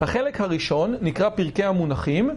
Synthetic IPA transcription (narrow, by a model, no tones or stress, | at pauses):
haχelekhaʁiʃo̞nːikʁapiʁke̞amunaχim